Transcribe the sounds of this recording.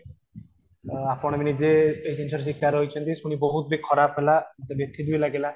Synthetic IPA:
apɔɽ̃eminid͡ʑeejt͡ɕinʃʰɔɾs̬ikːaɾojt͡ɕʰent̪isuniboɦut̪̚bekʰːɔɾapɦelat̪ebet̪ʰːid̪ujlaɡela

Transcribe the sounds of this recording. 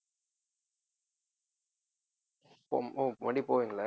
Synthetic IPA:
pooʋɐɳɖipoːʋiŋɡɐɭɐ

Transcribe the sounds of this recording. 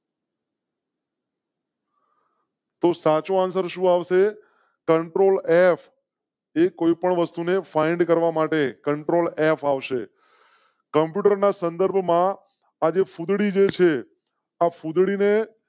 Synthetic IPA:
t̪osat͡ʃoansəɾʃũaʋʃe | kəɳʈɾolefʰ | ekoipəɳʋəst̪unefaiɳɖkəɾʋamaʈekəɳʈɾolefaʋʃe | kəmpjuʈəɾnasənd̪əɾbʱmã | ad͡ʒefud̪ɽid͡ʒet͡ʃʰe | afud̪ɽine

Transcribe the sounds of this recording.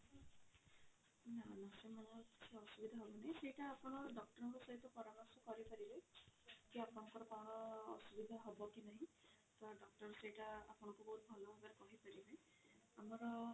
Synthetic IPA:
nanasemanɛkit͡ʃʰiɔsubid̪ʱaɦɔbɔnaɦĩsejʈaːpɔnɔdɔk̚tɔɹɔkɔsɔɦit̪ːɔkɔɾanasɔkɔɹipaɹibɛkiapɔnɔkɔɾɔkaw̃nɔ̰ːsubid̪ʱaɦɔbɔkinaɦĩ | t̪ɔadɔk̚tɔɹɔsejtaːpɔnɔkubɔɦut̪̚bʱɔlɔmabaɾɛkɔɦipaɹibe | amɔɹɔ

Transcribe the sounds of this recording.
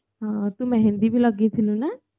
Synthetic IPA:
ɦãːt̪umɛ̃ːɦɪ̃nd̪iːbʱiːləɡĩːt̪ʰɪlũnɛː

